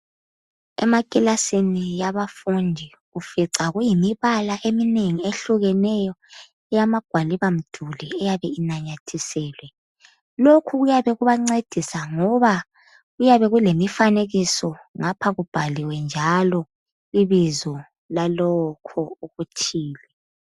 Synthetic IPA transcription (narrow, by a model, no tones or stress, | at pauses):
ɛ̰makʼilasinijaβafundʱi | ufiǀaɣujimiβalaʔemineŋieɬuɣɛnɛjɔ | ɛjamaɡ̥ʱwaliβam̩d̥ʱuliɛjaβɛinaɲatʰisɛːlwɛ | lokʰuɣujaβɛɣuβaŋ͡ǀed̥ʱisaŋɔβa | ɣujaβɛɣulemifaneɣisɔŋapʰaɣub̥ʱaliwɛnd͡ʒʱalɔ | iβizɔ | lalɔkʰɔuɣut͡ʃʰʼiːlɛ